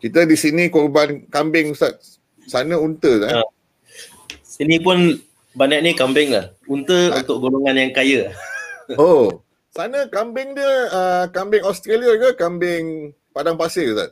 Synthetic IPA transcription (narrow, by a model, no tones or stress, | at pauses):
kit̪ədisinĩkɔrbankambɪŋusat̪̚ | sanəunt̪əaa | sinĩpʊn | banaʔnikambɪŋla̰hunt̪əunt̪ʊk̚ɡoloŋanjaŋkajə | o | sanəkambɪŋdiəəkambɪŋɔst̪ɾeliaɡakambɪŋ | padaŋpasɪlusa̰t̪̚